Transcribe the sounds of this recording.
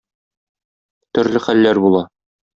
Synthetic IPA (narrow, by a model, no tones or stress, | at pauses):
t̪ɵ̆ɾlɘχælːæɾbulˠɑ